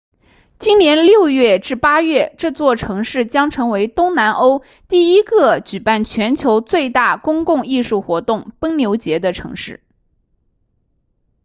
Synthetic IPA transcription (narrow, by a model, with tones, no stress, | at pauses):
t͡ɕi˥nnjɛ˧˥nljo˥˧ʊɥɛ˥˩ʈ͡ʂɻ̩˥˩pa˥ɥɛ˥˩ʈ͡ʂɤ˥˧t͡swɔ˥˩ʈ͡ʂʰɤ˧˥ŋʂɻ̩˥˩t͡ɕjɑ˥ŋʈ͡ʂʰɤ˧˥ŋwe˧˥ɪt̪ʊ˥ŋna˧˥nʔo˥ʊ | t̪i˥˩i˥ɡɤ˥˧t͡ɕy˨˩pa˥˩nt͡ɕʰɥɛ˧˥nt͡ɕʰjo˧˥ʊt͡swe˥˧ɪt̪a˥˩kʊ˥ŋkʊ˥˧ŋi˥˧ʂu˥˩xwɔ˧˥t̪ʊ˥˩ŋpə˥ŋljo˧˥ʊt͡ɕjɛ˧˥d̪ə˧ʈ͡ʂʰɤ̰˧˥ŋʂɻ̩˥˩